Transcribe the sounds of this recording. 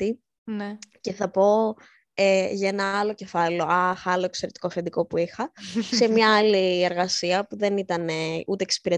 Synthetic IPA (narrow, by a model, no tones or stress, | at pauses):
t̪i | nce̞θɐpo̞ | eʝɐe̞nɐɐlo̞ce̞fɐleoɐxɐlo̞ekse̞ɾet̪i̥kofend̪iko̞puixɐse̞mɲɐɐlie̞ɾɣɐsiɐpuðe̞nit̪ɐneut̪eːksi̥piɾe